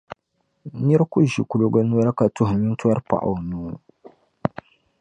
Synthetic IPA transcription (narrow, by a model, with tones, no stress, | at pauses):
nɛ˦ɾku˦ʒi˨ku˨lo˨ɡa˦nu˦ɔ˦ɾa˦ka˨tʊ˦hɲi˦n˦ta˦ɾpa̰˨ʔa̰˨nuː˦